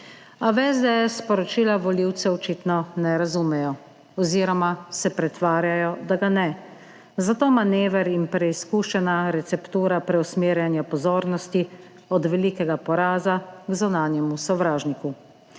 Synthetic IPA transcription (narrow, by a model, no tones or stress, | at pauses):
aʋɛzd̪ɛɛsːpɔɾɔt͡ʃiːlaʋɔliwt̪sɛɔt͡ʃit̪nɔnɛɾazumɛjɔ | ɔziːɾɔmasɛpɾɛt̪ʋaːɾjajɔd̪aɡanɛ | zat̪oːmaneːʋɛɾinpɾɛiskuːʃɛnaɾɛt̪sɛpt̪uːɾapɾɛusmeːɾjanjapɔzoːɾnɔst̪i | ɔd̪ʋɛliːkɛɡapɔɾaːzaɡzunaːnjɛmusɔʋɾaːʒniku